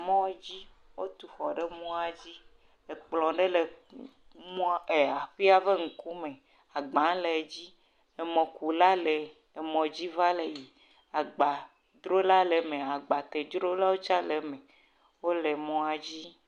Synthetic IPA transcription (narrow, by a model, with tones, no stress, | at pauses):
mɔ̃˦d͡ʑi˦ | wo˦t̪u˨ɸɔ˨ɖe˦mũ˦a˨d͡ʑi˦ | e˨k͡plɔ̃˨ɖe˦le˨ | mũ˦e˨a˨ɸi˦a˦ve˦ŋ̩˨ku˦mẽ˨ | a˨ɡ͡bã˨˦le˨d͡ʑi˦ | e˨mɔ̃˨ku˨la˦le˨ | e˨mɔ̃˨d͡ʑi˦va˦le˨ji˨ | a˨ɡ͡ba˨ | d̪ɾo˦la˦le˨me˨a˨ɡ͡ba˨t̪e˨d̪ɾo˦la˦wo˦t͡ʃa˦le˨mɛ̃˨ | wo˦le˨mɔ̃˦a˨d͡ʑi˦